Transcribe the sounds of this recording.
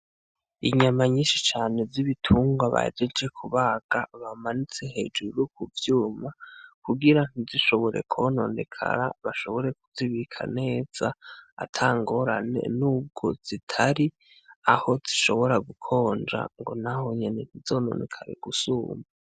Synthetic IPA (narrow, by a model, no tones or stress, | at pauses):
iɲamaɲiːʃit͡ʃaːne̞viβitʰuːŋɡwaβa̰d͡ʒed͡ʒe̞kʰuβaːɡ̥aβamanit͡se̞he̞̰d͡ʒuɾukuvjuːmakuɡiɾan̥iziʃo̞βo̞ɾʔe̞kʰono̞̰ːnde̞kʰa̰ɾa̰βaʃo̞βo̞ɾe̞kuziβikʰa̰ne̞ːz̥aa̰tʰaːŋɡo̞ɾa̰ne̞̰nub̚ɡoz̥itʰaɾi | aho̞ziʃo̞βo̞ɾaɡukʰo̞ːnd͡ʒa̰ŋɡo̞̰nahoɲene̞n̥izo̞no̞̰ːnekʰaɾeɡ̥usuːma